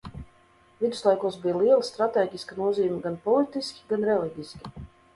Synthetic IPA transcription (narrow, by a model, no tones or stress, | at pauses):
vid̪u̥slˠajkuɔsbijlˠiɛlˠist̪ɾat̪eːɟʲiskanuɔziːumʲiɡanpɔlˠit̪iskʲi̥ɡanɾɛliɟʲisʲkʲi̥